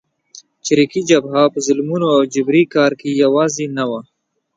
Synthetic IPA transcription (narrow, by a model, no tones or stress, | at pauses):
t͡ʃɾikid͡ʒabɦapəzʊlmunoawd͡ʒɪbɾikɑːɾkijawɑːzinawa